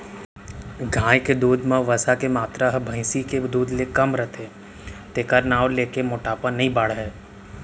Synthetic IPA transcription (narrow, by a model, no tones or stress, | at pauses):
ɡʱãːjked̪uːd̪mãʋəsakemaːt̪ɾaɦbʱəɪ̃siked̪uːd̪lekɐmɾɛt̪e | t̪eːkəɾnaːwleːkemoːʈaːpanɐɦĩbəɽ̤ɦɛː